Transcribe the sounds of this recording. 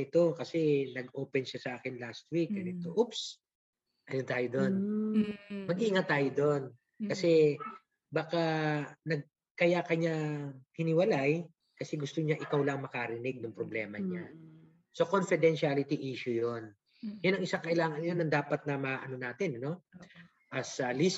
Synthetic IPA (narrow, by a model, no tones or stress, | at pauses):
ɪt̪o̞kɐsɛnɐɡʔoːpɛnʃasɐʔaːkɛnlast̪̚wik̚ɛnɪt̪oʔups | ʔɐnont̪aːjod̪o̞n | mɐɡʔɪʔɪŋat̪aːjod̪on | kɐsɛ | baːkanɐɡ̚ | kɐjakɐɲahɪnɪwɐlaj | kɐsɛɡʊst̪oɲaʔɪkawlɐŋmɐkaɾɪnɪɡ̚nʊŋpɾoblɛːmɐɲa | so̞konfɪd̪ɛnʃalɪt̪iʔiːʃʊjon | jʊnɐŋʔɪsaŋkɐʔɪlaːŋɐnjonɐŋd̪aːpɐt̪̚nɐmaʔɐno̞naːt̪ɪnɐno̞ | ʔɐsɐlis